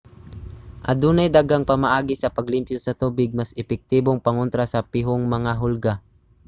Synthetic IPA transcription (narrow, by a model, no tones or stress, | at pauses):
ʔɐd̪uːnajd̪aɡaŋpɐmaʔaːɡisɐpɐɡlɪmpjosɐt̪uːbɪɡ̚masɛpɛk̚t̪iboŋpɐŋʊnt̪ɾasɐpɪɦoŋmɐŋaɦʊlɡa